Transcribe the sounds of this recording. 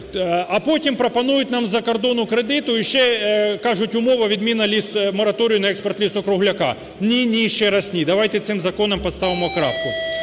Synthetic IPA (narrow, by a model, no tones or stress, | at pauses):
ɐpotʲɪmpɾɐpɐnujʊt̪ʲnamzɐkɐrd̪onʊkɾed̪ɪt̪ʊɪʃːɛkaʐʊtʲʊmoʋɐʋʲɪd̪mʲinɐlʲismɐɾɐt̪oɾʲɪjʊnɐɛkspɐrt̪lʲisɔkɾʊɦlʲɐka̰ | nʲinʲijʃːɛɾɐsʲnʲid̪ɐʋajt̪ɛt̪sɪmzɐkonɐmpɐt̪st̪aʋɪmʊɐkɾapkʊ